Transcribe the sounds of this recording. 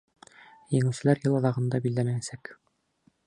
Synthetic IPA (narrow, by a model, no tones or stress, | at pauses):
jɘ̆ŋɘwsɘ̆læɾjɤlˠɑðɑʁɤ̆nd̪ɑbild̪æmæjæsæk